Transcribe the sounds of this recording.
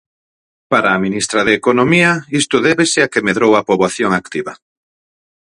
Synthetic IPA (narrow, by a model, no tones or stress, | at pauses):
paɾaːminist̪ɾaðeːkonomiɐist̪ʊðɛβesɪakemeðɾowɐpoβaθjoŋakt̪iβɐ